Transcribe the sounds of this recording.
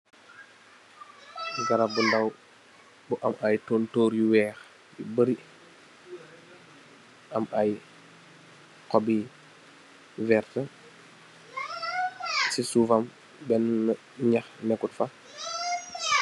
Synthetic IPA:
ɡaɾabundaw | buʔamʔajtoːntoːɾjuwɛːx | jibəɾi | ʔɐmaj | kɔbi | vɛːɾtə | sisuːfam | bɛn | ɲaxnɛkutfa

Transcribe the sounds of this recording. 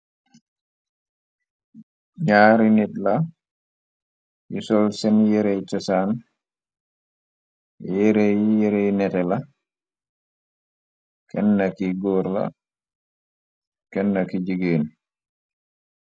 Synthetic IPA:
ɲaːɾinitla | jisɔlsɛnjɛɾɛjt͡ʃɔsaːn | jjɛɾɛjjɛɾɛjnɛtɛla | kɛnːakiɡɔːɾla̰ | kɛnːakid͡ʒiɡeːn

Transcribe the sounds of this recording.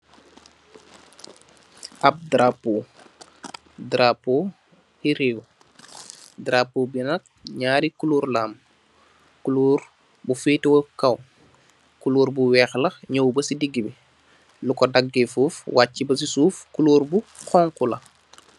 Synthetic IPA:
ap̚dɾapoː | dɾapoː | hiɾiwu | dɾapoːbinɐk̚ɲaːɾikuluːɾlaːm | kuluːɾ | bufiːtiwokaw | kuluːɾbuwɛːxlɐxɲowbɐsidiɡːibi | lukɔdaɡːifuːfwaːcːibɐsisuːfkuluːɾbuxɔŋkulɐ̰

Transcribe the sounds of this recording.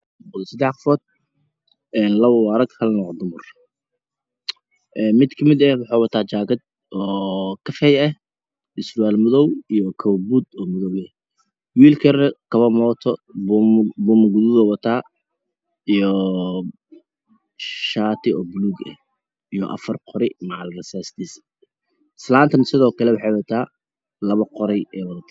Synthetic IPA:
ʊðɔsɐd̪ɛħqɑfɔːd̪̥̚ | ɛːnlɐβɐwɑɾɐɡhɐlnɔʁd̪ʊmʊr | ʔɛːnmɪd̪kʰɐmɪd̪ɛhwɑħɑːwɐt̪ʰaːt͡ʃaːɡɐd̪̚ | ʔɔːkʰɐfɛjɛh | ɪslwaːlmʊðɔwijɔkʰɐwbud̪ɔːmʊðɔwjɛ | wiːlkʰɐɾɛkʰɐβɐmɔːt̪ʰɔ | bʊmɐɡʊðʊðɛwɐt̪ʰaː | ijɔ | ʃaːt̪ʰɪɔːbʊluːɡɛ̰h | ijɔ̰ʔɐ̰fɐrqɔɾɪmɑʕɑlrɛsɛst̪is | slaːnt̪ʰɐnsɪðɔːkʰɐlɛwɑħɑjwɐt̪ʰaː | lɐβɐqɔɾɛjɛːwɑðɐt̪ʰa

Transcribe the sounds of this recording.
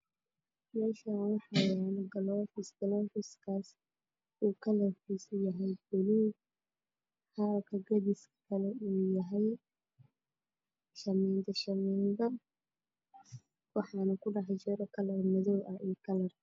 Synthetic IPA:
mɛːʃawɑħɑjanɡɐlɔfɪsɡɐlɔːfɪskʰaːs | uːkʰɐlɐrkiːsʊjɐɦɛjbɔlu | hakʰɐɡɐdɪskʰɐlɛuːjɐɦɛj | ʃɐmɛnd̪ʰɐʃɐmɛːnd̪ɐ | wɑħɑːnɐkʰʊɖɑʕɛjt͡ʃɛɾɐkʰɐlɐɾmɐðɔwʔɐɛːkʰɐlɐr

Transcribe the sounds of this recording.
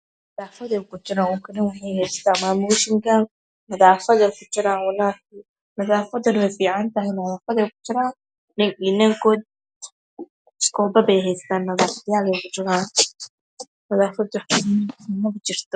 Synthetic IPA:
mɐðaːfɐðɛjkʰʊt͡ʃɪɾaːnɔːkʰɐnɪnwʊħɛjɦɛjst̪aːnmaːmuːʃɪŋkʰɐ | mɐðaːfɐðɛjkʰʊt͡ʃɪɾaːnwɐlaːki | mɐðaːfɐd̪ɐnwɛjfiːʕɑnt̪ɐɦɪmɐðaːfɐðɛjkʊ̥t͡ʃɪɾaːn | nɪŋɪnɐŋkʰɔːd̪̚ | skʰɔːbɐbɛjɦɛjst̪aːnmɐðaːfjaːlɛjkʰʊt͡ʃɪɾaːn | mɐðaːfɐd̪wħɪinɐkʊt͡ʃɪrt̪ɔ

